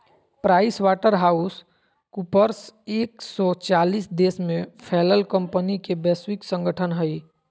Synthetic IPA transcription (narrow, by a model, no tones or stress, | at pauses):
pɾaːɪswaːʈəɾɦaːus | kupəɾseːksɔt͡ʃaːliːsd̪eːsmẽpʰɛːləlkə̃mpənikebɛːswɪksə̃ŋɡəʈʰənɦəi